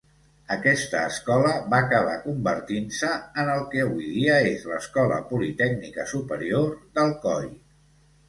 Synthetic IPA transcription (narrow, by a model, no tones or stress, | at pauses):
əkɛst̪əːskɔləβaːkəβ̞a̰kumbəɾt̪insəːnəlˠkɛːβujðiəezləskɔlə̰pulit̪ɛknikəsupəɾiorðəlˠkɔj